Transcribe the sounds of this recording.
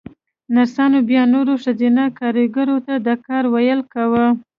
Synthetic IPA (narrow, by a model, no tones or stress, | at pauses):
naɾsɑnobjɑnoɾoʂazinakɑɾiɡaɾot̪ad̪əkɑɾwajəlkawə